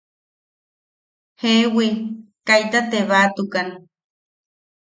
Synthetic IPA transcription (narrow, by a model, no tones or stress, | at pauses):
hewikajt̪at̪eβat̪ukan